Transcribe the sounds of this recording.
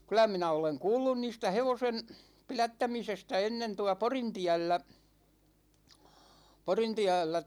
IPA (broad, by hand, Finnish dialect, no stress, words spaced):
kylæ minæ oleŋ kuːlːun niːstæ heʋosen pilætːæmisestæ enːen tuɑ porintiælːæ porintiælːæ